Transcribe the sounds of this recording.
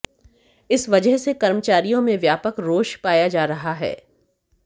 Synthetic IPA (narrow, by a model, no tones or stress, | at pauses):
ɪsʋɐd͡ʒəɦsekɐɾmət͡ʃaːɾijõmẽʋjaːpəkɾoːʃpaːjad͡ʒaːɾɐɦaɦɛ̰ː